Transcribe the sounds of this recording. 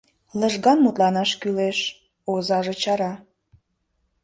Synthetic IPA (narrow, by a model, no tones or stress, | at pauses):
ləʒɣɑnmut̪lɑnɑʃkyleʃ | ozɑʒet͡ɕɑɾɑ